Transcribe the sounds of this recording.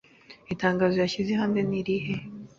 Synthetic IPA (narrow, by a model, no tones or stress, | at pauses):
itaːŋɡaːzojaçizeɦaːndeniɾihe